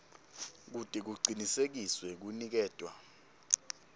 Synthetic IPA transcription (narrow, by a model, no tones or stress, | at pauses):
k̬utʼik̬uɡ͡ǀʱinisek̬iswɛk̬unik̬ɛːd̥ʼʱwa̰